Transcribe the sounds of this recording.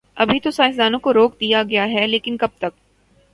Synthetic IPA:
ɐbʱit̪osaːɪs̬d̪aːnõkoɾoːkd̪ijaɡɐjaɦɛleːkɪnkɐb̚t̪ɐk̚

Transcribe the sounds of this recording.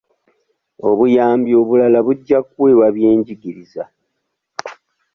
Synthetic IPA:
o̞βujaːmbjio̞βulalaβuɟːakweːwaβjeːɲɟiɡiɾiza

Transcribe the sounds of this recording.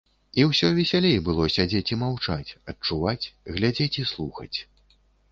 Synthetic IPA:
iwsʲɔvʲɛsʲalʲejbɨlˠɔsʲad͡zʲet͡sʲimawt͡ʂat͡sʲɐt͡ʂuvat͡sʲɣlʲad͡zʲet͡sʲislˠuxɐ̰t͡sʲ

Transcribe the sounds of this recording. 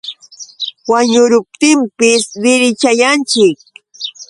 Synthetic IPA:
waɲʊɾʊp̚t̪ɪmpɪsɾɪɾɪt͡ʃajant͡ʃɪk̚

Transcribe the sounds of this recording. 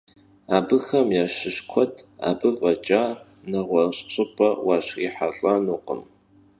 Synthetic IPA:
aːbɨxɐmjaɕɪʃkʷʰɔtʰʼa̰ːbɨvʼɐt͡ʃʼaː | nɐʁʷɔɕt͡ʃʷʼɨpʼɐwaɕḭħaɬʼɐnuːqʼə̰m

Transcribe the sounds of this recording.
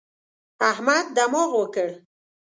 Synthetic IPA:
ahmad̪̚ːamɔʁwəkəɽ

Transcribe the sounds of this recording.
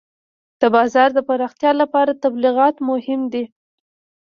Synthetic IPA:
d̪̥əbɑzɑɾd̪əpaɾɑxt̪jɑlapɑɾat̪abliɣɑt̪mʊhɪmd̪i

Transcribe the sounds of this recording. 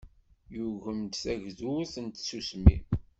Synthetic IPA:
juʝəmt̪θæʝðuθənt̪susmḭm

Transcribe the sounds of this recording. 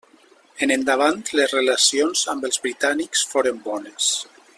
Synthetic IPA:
enend̪aβ̞ant̪lezrelasionzambəlˠzβɾit̪aniksfoɾəmbɔnes

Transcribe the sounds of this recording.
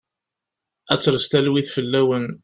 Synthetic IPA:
æt͡sːɾəst̪ælwiθfəlːæwən

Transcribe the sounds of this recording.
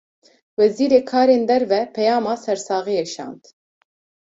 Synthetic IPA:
wɛziːɾeːkʰɑːɾeːnd̪ɛɾvɛpʰɛjɑːmɑːsɛɾsɑːɣijɛʃɑ̰ːnd̪

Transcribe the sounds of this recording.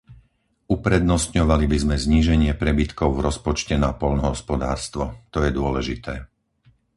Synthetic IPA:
upɾɛd̪nɔst̪ɲɔʋalibizmɛzɲiːʒɛɲɪɛpɾɛbit̪kɔʊvɾɔspɔt͡ʃcɛnapɔʎnɔɦɔspɔd̪a̰ːɾst̪ʋɔt̪ɔjɛd̪ʊɔlɛʒit̪ʰɛː

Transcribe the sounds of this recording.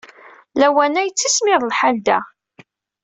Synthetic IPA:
læwænæjt͡sːismɪðˤlħald̪æ

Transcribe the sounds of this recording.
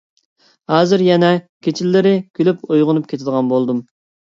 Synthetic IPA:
hɑːzɨɾjɛnɛkʲʰet͡ʃʰilːɪɾɪkʲʰylypojʁʊnup̚kʲʰet̪ʰɪd̪əʁɑnbolˠd̪um

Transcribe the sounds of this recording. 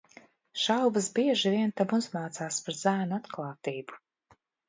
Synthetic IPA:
ʃawbɨzbiɛʒivʲiɛnt̪amuzmaːt̪saːspaɾzæːnuat̪klˠaːt̪iːbu̥

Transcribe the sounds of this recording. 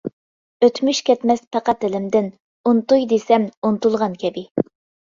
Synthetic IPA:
øt̪ʰmyʃkʲɛt̪mɛspʰɑqɑt̪ːɪlɪmd̪ɪn | unt̪ujd̪esɛmunt̪ulˠʁɑnkʲɛbɪ

